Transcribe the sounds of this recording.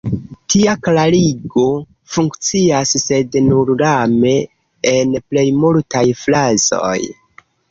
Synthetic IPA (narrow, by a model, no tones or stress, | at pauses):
tiaklaliɡo̞ | fuŋkt͡siasse̞dnuɾɾame̞ː | nple̞jmultajflazo̞̰j